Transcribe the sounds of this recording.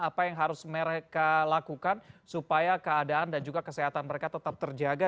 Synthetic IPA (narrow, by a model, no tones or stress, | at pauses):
apajaŋɦaɾʊsməɾekalakukansupajakəadaːndand͡ʒuɡakəseɦat̪anməɾekat̪ət̪ap̚t̪ərd͡ʒaɡa